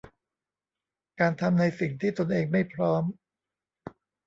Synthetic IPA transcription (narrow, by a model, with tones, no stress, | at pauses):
kaː˧nt̪ʰa˧mna˧jsi˨˩ŋt̪ʰiː˥˩t̪o˧nʔeː˧ŋma˥˩jpʰɾɔː˦˥m